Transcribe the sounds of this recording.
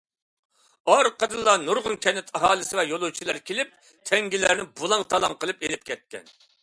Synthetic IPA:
ɑɾqəd̪ɨlˠːɑnuɾʁʊnkʲʰɛnːɪt̪ʰɑɦɑːlˠɨsɪvɛjolˠut͡ʃʰilˠɑɾkʲelɪp̚ | t̪ʰɛŋɡʲilæɾnɪbulˠɑŋt̪ʰɑlˠɑŋqəlˠɨpelɪp̚kʲʰɛt̪̚kʲɛ̰n

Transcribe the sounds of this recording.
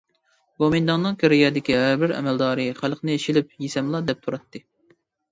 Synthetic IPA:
bomind̪ɑŋːɨŋkʲʰeɾɪjɛd̪ɪkʲiɦæɾbɪɾɛ̰mɛld̪ɑːɾɨχælˠqʰnɨeʃilɪp̚jisɛmlˠɑd̪ɛp̚t̪ʰuɾɑt̪ʰːɨ

